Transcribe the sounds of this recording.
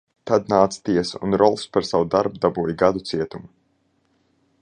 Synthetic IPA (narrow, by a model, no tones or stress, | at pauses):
t̪ad̪̚naːt̪sḁt̪iɛsaṵnɾɔlˠspaɾsawud̪aɾbud̪abuːjɡad̪ut̪siɛt̪umu